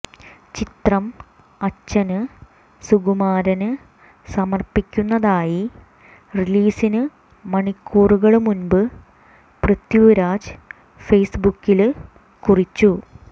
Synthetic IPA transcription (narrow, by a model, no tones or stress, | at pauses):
t͡ɕit̪rɐm | ɐt͡ɕːɐnɨ | suɣumaːɾɐnɨ | sɐmɐrpikʲːunːɐðaːji | riliːsinɨ | mɐɳikʰːuːruɣɐɭumunbɨ | prɨt̪juuɾaːd͡ʑɨ̥ | fejsbukːil | kurit͡ɕːu